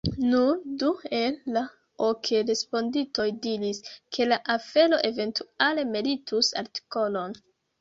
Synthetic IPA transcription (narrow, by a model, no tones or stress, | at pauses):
nundue̞lːa | okʰeɾe̞spo̞ndito̞jdiɾiskʰe̞laʔafe̞lo̞ʔe̞ve̞ntuale̞melitʰusa̰ɾti̥ko̞lo̞n